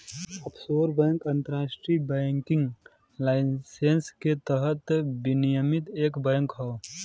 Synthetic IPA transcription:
əpsoːɾbɛ̃ŋkə̃nt̪əɾaːʃʈɾibɛːŋkɪŋɡ | laɪsensket̪əɦət̪bɪnijəmɪt̪eːkbəjŋkɦɔ

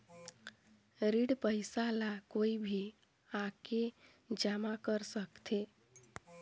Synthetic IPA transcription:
ɾiɽpəɪsalakoibʱi | ake | d͡ʒamakəɾsəkt̪ʰe

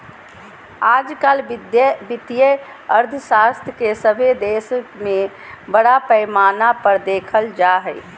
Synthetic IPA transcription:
aːd͡ʒkalbd̪jbɪt̪jə | əɾd̪ʱəsast̪ʰjəkesəbʱed̪esəkme | bəɽapəɪmaːnapəɾd̪ekʰəld͡ʒaɦɛj

